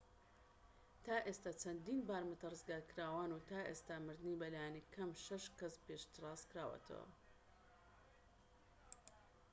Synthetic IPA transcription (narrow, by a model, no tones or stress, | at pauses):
t̪aːʔest̪aːt͡ʃʰɐnd̪inbaːɾmɨt̪ɐrɨzɡaːɾkɨɾaːwaːnut̪aːʔḛst̪amɨɾd̪ɨnibɐlaːjanikʰɐmʃɐʃkɐspeʃt̪ɨrˤɑːzkɾaːwɐ̰t̪ʰɐ̰wa̰